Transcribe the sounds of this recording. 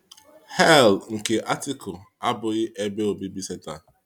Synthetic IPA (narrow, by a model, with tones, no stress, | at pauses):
hɛ˦˨lŋ̩˨ke˨ʔa˦tɪ˦kʊ˨ | a˦bʊ˨ɣɪ˦ʔe˦be˦o˨bi˦bi˦se˦ta˨